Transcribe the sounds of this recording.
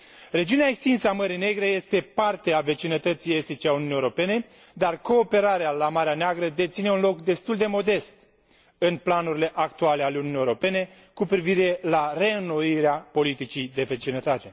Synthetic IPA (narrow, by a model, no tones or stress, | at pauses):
re̞d͡ʒiuneaekst̪insəaməɾine̞ɡɾe̞je̞st̪e̞part̪e̞ave̞t͡ʃinət̪ət̪sije̞st̪it͡ʃeaununijeɾo̞pe̞ne̞ | d̪arko̞ːpe̞ɾaɾealamaɾeaneaɡɾəd̪e̞t̪sine̞unlo̞kd̪e̞st̪uld̪e̞mo̞d̪e̞st̪ | ɨnplanuɾile̞ʔakt̪uale̞aleuniunijeɾo̞pe̞ne̞ | kupɾiviɾe̞lare̞ɨnːo̞iɾeapo̞lit̪it͡ʃid̪e̞ve̞t͡ʃinət̪at̪e̞